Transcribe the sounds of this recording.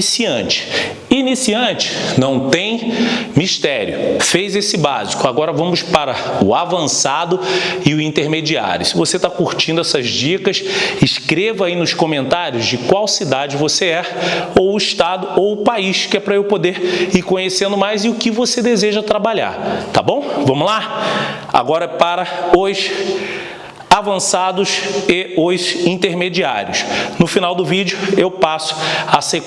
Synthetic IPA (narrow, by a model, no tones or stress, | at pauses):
siɐ̰̃t͡ʃɪ̥ | inisiɐ̃nt͡ʃɪ̥nɐ̃w̃t̪ẽj̃miʃt̪ɛɾjʊ̰fejzesɪba̰zikʊaɡɔɾɐvɐ̃mʊspaɾɐʊavɐ̃sad̪ʊɪʊĩnt̪eɾmed͡ʒia̰ɾʲjʊsɪvoset̪akuɾt͡ʃĩnd̪ʊɛsɐzd͡ʒikɐsɪʃkɾevɐainʊskõmẽnt̪aɾjʊzd͡ʒɪkwawsid̪ad͡ʒɪvoseɛowʊiʃt̪ad̪ʊowʊpaiʃkɪɛpɾɐewpod̪eɾikõɲesẽnd̪ʊmajzɪʊkɪvosed̪ezeʒɐt̪ɾabaʎa̰ɾt̪a̰bõw̃vɐ̃mʊla | a̰ɡɔɾɐpaɾɐʊs | avɐ̃sad̪ʊsɪʊzĩt̪eɾmed͡ʒia̰ɾjʊ̰snʊfinawd̪ʊvid͡ʒʊewpasʊ̥ase